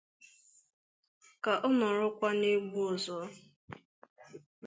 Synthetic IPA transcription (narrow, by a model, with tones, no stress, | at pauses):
ka˨ʔɔ˦nɔ˨ɾʊ˦kʷa˦ne˦ɡ͡bu˦ɔ˨zɔ˨˦